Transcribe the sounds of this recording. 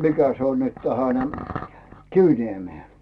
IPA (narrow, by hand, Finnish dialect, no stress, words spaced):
mikæ se on nyt tæhæn kiʋniemeː